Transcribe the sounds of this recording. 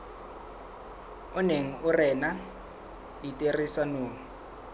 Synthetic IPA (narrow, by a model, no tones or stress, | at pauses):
ʊneŋ̩ʊrɛna | ditʼerisanoː